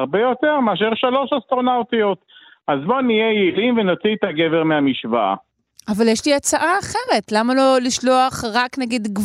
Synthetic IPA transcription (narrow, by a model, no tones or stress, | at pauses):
ʁbejo̞t̪e̞ʁmeaʃ̬eʁʃalo̞ʃast̪ʁo̞nawt̪ijo̞t̪ | ʔazbo̞nijejilimvenot͡sit̪aɡeveʁmeamiʃvaa̰ | ʔavaljeʃliat͡saʔaːχe̞ʁe̞tlamalo̞liʃlo̞aχʁaknaɡid̪ɡ